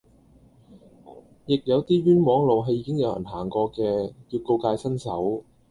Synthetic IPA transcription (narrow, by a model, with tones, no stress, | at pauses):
jɪ˨k̚jɐ˨˧wt̪iː˥ɥyː˥nmɔː˨˥ŋlo˨wɦɐ˧jːiː˧˥kɪ˥ŋjɐ˨˧wjɐ̰˨˩nɦaː˨˩ŋkɔː˧kɛː˧kiː˧ko˧wkaː˧jsɐ˥nsɐ˨˥w